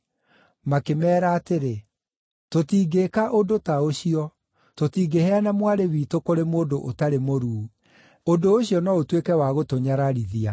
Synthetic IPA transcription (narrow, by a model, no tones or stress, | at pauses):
makemɛːɾaːteɾe | totiːɡekaʔodotaoɕiɔ | totiːɡehɛanamwaɾewiːtokoɾemoːdoʔotaɾemoɾuː | ondooɕiɔnɔotwekɛwaɣotoɲaɾaɾiðia